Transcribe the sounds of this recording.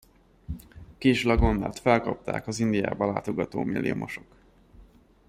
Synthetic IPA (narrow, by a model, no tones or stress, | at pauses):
kiʃlɒɡo̞nːaːt̪fɛlkɒp̚t̪a̰ːkɒzind̪ija̰ːbɒlaːt̪o̞ɡɒt̪oːmilːḭjo̰mʔoʃo̞k